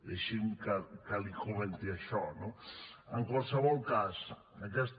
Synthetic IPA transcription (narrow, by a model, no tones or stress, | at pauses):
d̪eʃiŋkakalikoβent̪iaʃɔnoaŋkwalsaβɔlkas | nakɛs